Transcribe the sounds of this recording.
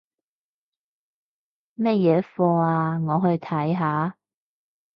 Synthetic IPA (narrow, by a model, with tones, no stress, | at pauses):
mɐ˥t̚jɛː˨˧˥fɔː˧aaː˧ŋɔː˨˧ɦɵ˧ɥt̪ʰɐ˨˥jɦaː˨˥